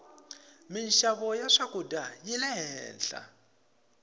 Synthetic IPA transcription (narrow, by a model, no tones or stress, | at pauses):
minʃaβɔjaʂakʼudajilɛɦɛːnɬa̰